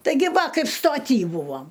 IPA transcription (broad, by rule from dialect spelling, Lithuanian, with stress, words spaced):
tɐɪˈɡʲɪ ˈʋɐ ˈkɐɪp stoːˈtʲiː ˈbuːʋɐm